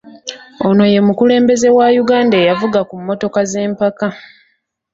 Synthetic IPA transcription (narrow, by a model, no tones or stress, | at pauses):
o̞no̞je̞mukule̞ːmbe̞ze̞wajuɡaːndeːjavuɡakumːo̞to̞kaze̞ːmpaka